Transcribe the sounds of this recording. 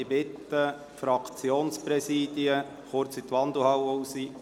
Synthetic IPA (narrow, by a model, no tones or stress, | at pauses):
ibɪt̪ːə | fɾɑkt͡sjoːnspɾɛsiːd̪iə | χʊɾt͡sit̪ʋɑnd̪uhɑwousi